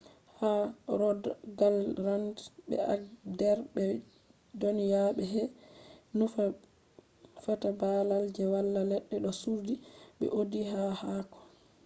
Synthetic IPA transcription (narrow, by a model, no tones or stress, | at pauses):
haɾɔdɡalɾandɓɛ̰a̰dɛɾɓɛ | donjaɓɛɦɛ | nufa | fatabalald͡ʒɛwalːalɛɗːɛɗɔsuɾdiɓɛ̰ʔodiɦahakɔ̥